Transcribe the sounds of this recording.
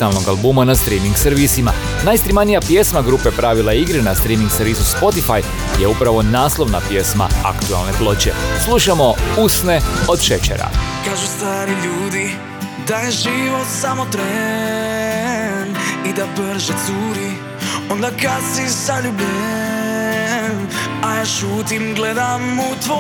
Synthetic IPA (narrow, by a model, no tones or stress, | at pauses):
t̪alˠno̞ɡalˠbuːmanast̪ɾiːmiŋɡseɾʋisima̰ | najst̪ɾimanijapje̞smaɡɾuːpe̞pɾaʋilˠaiɡɾinast̪ɾimiŋɡseɾʋiːzuspo̞t̪ifaj | jeupɾaʋo̞naːslˠo̞ʋnapje̞sma̰a̰kt̪ua̰lne̞plˠo̞t͡ɕe̞̰slˠuʃamo̞usne̞od̪ʃet͡ɕḛɾa̰kaːʒust̪aːɾiʎuːd̪i | d̪ajeʒiʋot̪samot̪ɾe | nid̪abəɾ̩ʒɛt̪suɾi | ond̪akad̪sisaʎube | majaːʃuːt̪imɡled̪amut̪ʋ